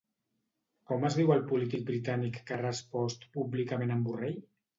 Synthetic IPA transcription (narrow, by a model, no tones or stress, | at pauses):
kɔməzðiwəlˠpulit̪ik̚bɾit̪anikːərəspɔst̪publikamẽnəmbureʎ